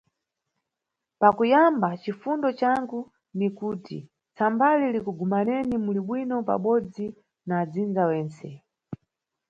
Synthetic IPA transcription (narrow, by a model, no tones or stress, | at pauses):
pakujambat͡ʃifundɔt͡ʃaŋɡu | nikuːtḭ | t͡sambalilikuɡumanɛnimuliɓwinɔpa̰ɓɔd͡zi | naːd͡zind͡zawɛːnt͡sɛ